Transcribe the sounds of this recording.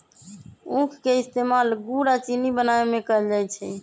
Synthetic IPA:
ũkʰkeɪst̪eːmalɡuɾat͡ʃinibənaemẽkəld͡ʒajt͡ʃʰɛ

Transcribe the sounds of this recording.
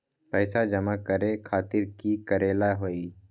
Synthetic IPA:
pɛːɪsad͡ʒəmakəɾekʰaːt̪ɪɾkikəɾeːlaɦoːiː

